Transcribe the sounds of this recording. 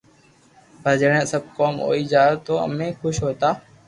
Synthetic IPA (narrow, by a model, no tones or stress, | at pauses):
bʱəd͡ʒɽẽːsəb̚koːmɦo̰ːiːd͡ʒaːt̪oːə̰mẽːkʊʃɦoːt̪aː